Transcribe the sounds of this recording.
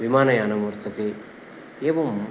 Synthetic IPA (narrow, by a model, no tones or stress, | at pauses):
ʋimaːnɐjaːnɐmɐɾt̪ʰɐk̪e | eːʋɐm